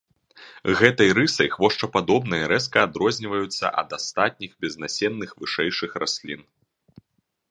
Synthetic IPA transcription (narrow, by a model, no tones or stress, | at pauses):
ɣɛt̪ɐjɾɨsɐjxvɔʂt͡ʂɐpad̪ɔbnɐjɐɾɛskɐad̪ɾɔzʲnʲivɐjut̪sːɐ̰ʔɐ̰d̪ast̪at̪̚ʲnʲixbʲɛznasʲɛnːɨxvɨʂɛjʂɨxɾʔasʲlʲḭn